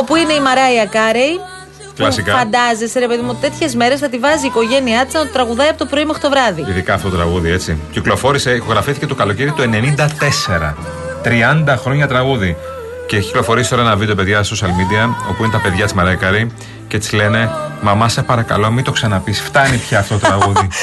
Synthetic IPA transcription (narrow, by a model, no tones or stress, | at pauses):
opuine̞imɐɾɐiɐkɐɾej | klɐsikɐɐnd̪ɐze̞seɾe̞pe̞ðimut̪e̞t̪çe̞zme̞ɾe̞sθɐt̪ivɐziːko̞ʝe̞niɐt̪i̥znɐt̪ot̪ɾɐɣuðɐjɐpo̞t̪o̞pɾo̞imext̪o̞vɾɐðiiðikɐːft̪ot̪t̪ɾɐɣuðie̞t͡siciklo̞fo̞ɾise̞iko̞ɣɾɐfiθicet̪okɐlo̞ceɾit̪oe̞ne̞nind̪ɐt̪e̞se̞ɾɐ̰ | t̪ɾiɐnd̪ɐxɾo̞ɲɐt̪ɾɐɣuði | ceciklo̞fo̞ɾist̪o̞ɾɐnɐvit̪ope̞ðʝɐso̞sɐlmid̪iɐo̞puinet̪ɐpe̞ðʝɐt̪izmɐɾɐkɐɾei | cee̞t̪t͡sile̞ne̞mɐmɐsepɐɾɐkɐ̰lo̞mit̪oksɐnɐpisft̪ɐnipçɐːft̪ot̪otɾɐɣuði